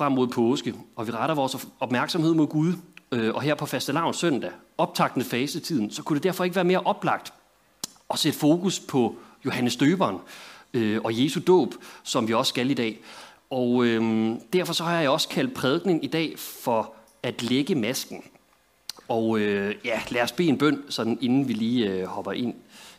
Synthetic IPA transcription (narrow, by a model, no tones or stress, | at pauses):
fʁɑm̰ːo̝ð̰ˠpʰɔːsɡ̥əɒ̽ʋiʁɑɾɐʋɒːsɒ̽b̥mæɐɡ̥sɒ̽mhe̝ð̰ˠmo̝ðˠɡ̥uð̞ˠøʔɒ̽ɦeɐ̰pʰɒ̽fæsd̥əlɑ̈ʊ̰nsøn̰d̥æ | ɒ̽b̥̚t͡sʰɑ̈ɡ̥d̥nð̩ˠfɛːsət͡sʰiðˠn̩sɒ̽kʰuɾe̝d̥æɐfɒ̽eɡəʋæːɐme̝ːɐʔɒ̽b̥lɑ̈ɡ̥̚d̥ | ɒ̽sed̥əfo̝ːkuspʰɒ̽jo̝hænəsd̥øːb̥ɐnøɒ̽je̝ːsud̥ɔ̰ːb̥sɒ̽mʋiɒ̽ssɡ̥ælid̥ɛ̰ː | ɒød̥æɐ̰fɒ̽sɒ̽hɑjjaɒ̽sə̥kʰæl̰d̥̚pʰʁɛð̞ˠɡ̥ne̝ŋid̥ɛ̰ːfɒ̽ | æd̥leɡ̥əmæsɡ̥n̩ | ɒʊøjælæɐsb̥e̝̰ːe̝nb̥œn̰sɒ̽d̥n̩e̝nn̩ʋiliːøhɒ̽b̥ɐʔe̝n̰